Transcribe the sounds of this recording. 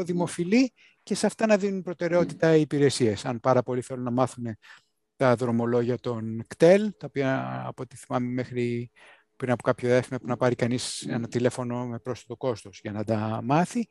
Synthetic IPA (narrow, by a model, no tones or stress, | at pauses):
oðimo̞fili | ce̞sɐft̪ɐnɐðinunpɾo̞t̪e̞ɾe̞o̞t̪it̪ɐipiɾe̞siesɐnpɐɾɐpo̞liθe̞lunɐmɐθune̞ | t̪ɐðɾo̞mo̞lo̞ʝiɐt̪o̞nkt̪e̞lt̪ɐopiɐ̰ːpoot̪iθimɐmeme̞xɾi | pɾinɐpokɐpçoefimɐpunɐpɐɾikɐnisenɐt̪ile̞fo̞no̞me̞pɾo̞sfɐt̪o̞ko̞st̪o̞sʝɐnɐd̪ɐmɐθi